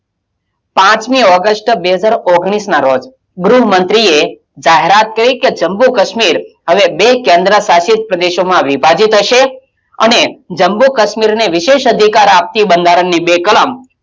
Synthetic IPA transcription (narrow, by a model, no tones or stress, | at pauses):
pãt͡ʃmiɔɡəsʈbeɦəd͡ʒaɾoɡɽ̃isnaɾod͡ʒ | ɡɾuɦəmənt̪ɾie | d͡ʒaɦeɾat̪̚kəɾiked͡ʒəmbukəʃmiɾɦəʋebekẽnd̪ɾəsaʃit̪̚pɾəd̪eʃomãʋipad͡ʒit̪ɦəʃe | ə̰ned͡ʒəmbukəʃmiɾneʋɪʃeʃəd̪ʱikaɾap̚t̪ibənd̪ʱaɾənːibekələm